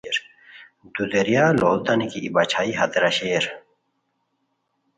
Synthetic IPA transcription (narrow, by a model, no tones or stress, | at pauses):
ɾ | d̪ud̪eɾjaːloːld̪anikiːbat͡ɕʰaːiɦɐd̪ɾaɕeːɾ